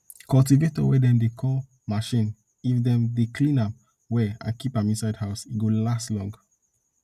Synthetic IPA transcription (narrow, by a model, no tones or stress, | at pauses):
kɔltivetɔwɛdɛ̃mdekʰɔl | maʃĩn | ifdɛ̃mdekʰlĩnãm | wɛã̰nkipãmĩnsaɪdhaʊsiɡolastlɔ̃ŋɡ